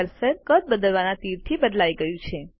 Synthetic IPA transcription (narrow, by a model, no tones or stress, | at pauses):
ɾsəɾkət̪̚bəd̪əlʋanat̪iɾt̪ʰibəd̪laiɡəjũt͡ʃʰe